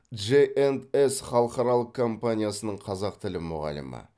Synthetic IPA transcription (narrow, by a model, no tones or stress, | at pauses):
ʒeʔend̪esχɑlˠəqɑɾɑlˠəq̚kʰːo̞mpanʲijasənəɴqʰɑzɑqt̪ʰɪlɪmʊʁɑ̰lə̰mə̰